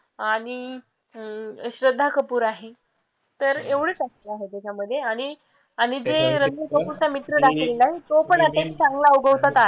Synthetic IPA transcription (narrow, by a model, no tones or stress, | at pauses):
aɽ̃i | ɕɾəd̪ʱːakəpuːɾaɦe | t̪əɾeʋɽ̤et͡səst̪əaɦet̪jat͡ɕʰaməd̪ʱːjeaɽ̃i | aɽ̃id͡zeɾənd̪ʱəkəpuɾt͡samit̪ɾəɽakʰlenaɦit̪opəɳat̪anit͡sãŋɡlaəwɡəʋt̪at̪a